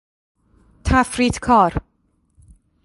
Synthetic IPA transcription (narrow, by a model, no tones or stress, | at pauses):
tʰafɾiːtkʰɔɾ